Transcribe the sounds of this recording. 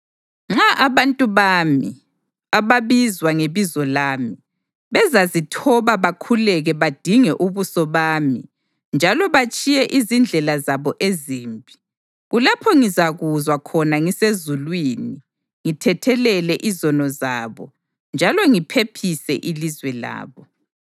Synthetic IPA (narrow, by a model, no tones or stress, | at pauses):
ŋ͡ǁaʔaβantʼuβaːmḭ | aβaβizwaŋeβizɔlaːmi | βɛzazitʰɔβaβakʰulɛɣɛβad̥ʱiŋɛʔuβusɔβaːmi | nd͡ʒʱalɔβat͡ʃʼijɛʔizind͡ɮʱɛlazaβɔʔeziːmpʼi̥ | ɣulapʰɔŋizaɣuzwakʰɔnaŋisezulwiːni | ŋitʰɛtʰɛlɛlɛʔizɔnɔzaːβɔ̰ | nd͡ʒʱalɔŋipʰepʰisɛ̰ʔilizwɛla̰ːβɔ